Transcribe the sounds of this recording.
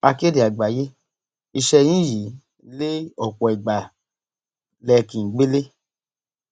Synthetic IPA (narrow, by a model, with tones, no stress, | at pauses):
a˧ke˦di˨a˨ɡ͡ba˨je˦ | i˧ʃɛ˧jĩ˦ji˨˦ | le˦ɔ˨k͡pɔ˨i˨ɡ͡ba˨ | lɛ˧˨kĩ˨n̩˨ɡ͡be˦le˦